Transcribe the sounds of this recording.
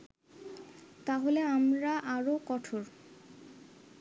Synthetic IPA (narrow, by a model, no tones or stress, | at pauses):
t̪aɦoleamɾaʔaɾokɔʈʰoɾ